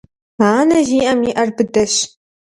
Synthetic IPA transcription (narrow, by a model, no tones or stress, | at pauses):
aːnɐʒiːʔɐmiːʔɐrbɨdɐɕ